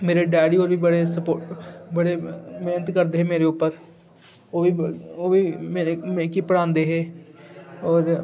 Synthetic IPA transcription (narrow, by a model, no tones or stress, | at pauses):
meːɾeɖɛːɽiːoːɾʋiːbəɽeːsəpoːʈbəɽemeːnət̪kəɾd̪eːɦɛːmeːɾeʊpːəɾ | oːioːiːmeemekipəɽãːnd̪eːɦɛː | ɔːɾ